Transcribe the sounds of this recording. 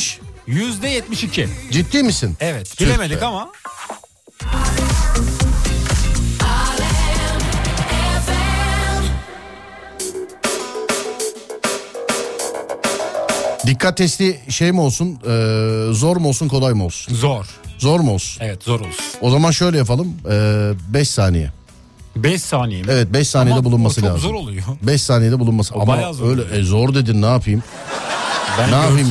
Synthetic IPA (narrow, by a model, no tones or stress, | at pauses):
ʃjyzd̪ɛjɛt̪miʃicʰɪd͡ʒit̪ʰːiːmisinɛvɛt̪bilʲemed̪ikama | d̪ikʰːat̪ʰːɛst̪iʃejmo̞lˠsunɯːzo̞ɾmo̞lˠsunkʰo̞lˠajmɯo̞lˠsu̥nzoɾnzo̞ɾmolˠsu̥nɛvɛt̪zoɾolˠuo̞zamanʃø̞jlʲɛjap̬alˠɯmɯːbɛʃsaːnejɛ̰ | bɛʃsaːnejevɛt̪̚bɛʃsaːnejɛd̪ɛbulˠunmasɯlʲaːzzɯoɾolˠujobɛʃsaːnejɛd̪ɛbulˠunmasɯamaazøjlʲɛʔɛzo̞ɾd̪ed̪innaːpʰɯjɯm | bænaːpɯjm